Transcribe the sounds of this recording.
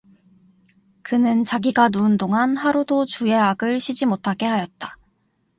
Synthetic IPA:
kɯnɯnt͡ɕaɡiɡanuːndoŋanhaɾudot͡ɕue̞aɡɯɭɕʰid͡ʑimotʰaɡe̞ɦajʌt̚t͈ḁ

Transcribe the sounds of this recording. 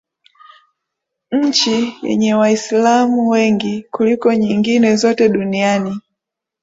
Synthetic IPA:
ɲ̩t͡ʃijɛ̰ɲɛwaislamuwɛŋɡikulikɔɲiŋɡinɛzɔtɛɗuniani

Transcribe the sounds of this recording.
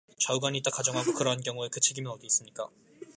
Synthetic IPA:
t͡ɕauɡaɲit͈akad͡ʑʌŋɦaɡokɯɾʌɦank̬jʌŋue̞kɯt͡ɕʰe̞ɡimjʌnʌɡiis͈ɯmɲik͈a̰

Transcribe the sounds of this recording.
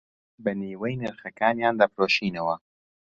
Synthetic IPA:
bɐniːwejnɨɾxɐkaːnjaːnd̪apɾoːʃiːnɐwɐ

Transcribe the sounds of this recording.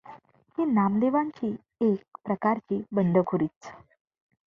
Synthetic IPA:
hinamleʋaɲt͡ɕiː | ek̚pɾəkaɾt͡ɕiːbəɳɖ̪əkʰuɾiːt͡s

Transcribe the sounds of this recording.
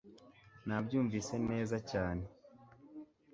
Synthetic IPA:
nabɟuːɱviːse̞ne̞ːzacaːne̞

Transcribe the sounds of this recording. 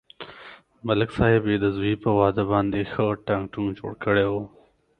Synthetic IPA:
mɐlɪksɑhɪbed̪əzuipəwɑd̪əbɑnd̪exəʈaŋkʈund͡ʒo̰ɽkəɽewo

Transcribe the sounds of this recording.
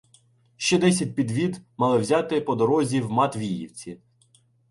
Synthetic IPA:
ʃt͡ʃɛd̪ɛsʲɐt̚ʲpʲid̪ʋʲid̪mɑlˠɪwzʲɑt̪ɪpɔd̪ɔɾɔzʲiwmɑt̪ʋʲijḭwt͡sʲi

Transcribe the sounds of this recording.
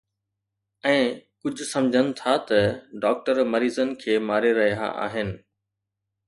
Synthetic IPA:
ɛ̃ːkʊd͡ʑʱʊ̆sɐ̃md͡ʑʱənɪ̆t̪ʰat̪ɐɖɔːk̚ʈəɾmɐɾiːzənɪ̆kʰeːmaːɾeɾɐɦija̰ʔa̰ːɦɪnɪ̆

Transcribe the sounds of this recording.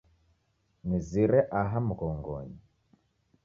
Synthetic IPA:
niziɾɛʔaɦamukɔŋɡɔ̰ɲi

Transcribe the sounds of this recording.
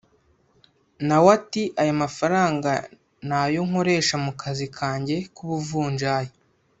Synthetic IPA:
nawatiʔajomafaɾaːŋɡa | najoŋ̥ho̞ɾe̞ːʃamukʰazikʰaːɲɟe̞kuβuvuːɲʒaːje

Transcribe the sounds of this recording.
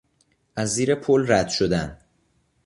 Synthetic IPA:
ʔæzːiːɾepʰolræd̪̥ʃod̪æn

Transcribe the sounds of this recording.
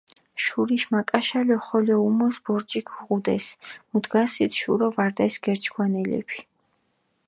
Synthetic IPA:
ʃuɾiʃmakʼaʃalɔχɔlɛumɔsbɔɾd͡ʒʼikʰuʁud̪ɛsmud̪ɡasit̪ʃuɾɔvaɾd̪ɛsɡ̥ɛɾt͡ʃʰɡʰwanɛlɛ̰pʰi̥

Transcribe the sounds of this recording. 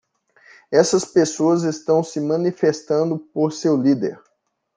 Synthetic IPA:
ɛsɐspesoɐzest̪ɐ̃w̃sɪmɐ̃nifest̪ɐ̃nd̪ʊpoɾsewlid̪ḛɾ

